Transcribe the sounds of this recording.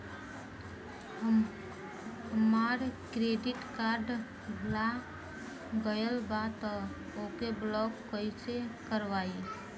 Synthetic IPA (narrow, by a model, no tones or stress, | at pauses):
əm | ɦəmaɾkɾeɖɪʈkaɾɖ | bʱla | ɡəjəlbat̪ɔ | okeblɔkːəisekəɾʋai